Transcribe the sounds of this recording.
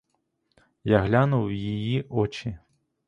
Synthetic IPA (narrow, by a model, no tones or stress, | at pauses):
jaɦlʲanuwjijiʔɔt͡ʃi